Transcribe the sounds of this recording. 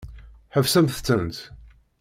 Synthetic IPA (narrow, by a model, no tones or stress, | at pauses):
ħəvsæmθə̥t͡sːənt̪